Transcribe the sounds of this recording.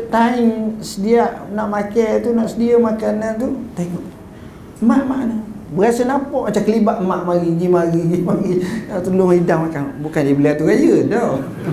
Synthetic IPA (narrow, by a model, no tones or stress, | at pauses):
t̪aiŋsədiaʔnaʔmakajt̪unaʔsədiəmakanant̪ut̪aŋʔ | maʔmaʔnəbəasənapɔʔmat͡ʃamkəlibaʔmaʔmaɣiɡimaɣiɡimaɣiat̪əlʊmidaŋmakanbukandiəbəliat̪uɡajədɔw